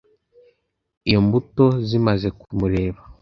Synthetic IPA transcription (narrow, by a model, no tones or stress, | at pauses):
ijombutozimazekumuɾeːβa